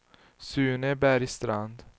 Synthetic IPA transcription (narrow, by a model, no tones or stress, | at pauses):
sʉːnɛbæːɾist̪ɾand̪